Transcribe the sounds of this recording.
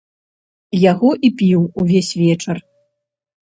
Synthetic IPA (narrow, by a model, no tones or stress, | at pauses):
jaɣɔʔipʲiwuvʲesʲvʲɛt͡ʂɐr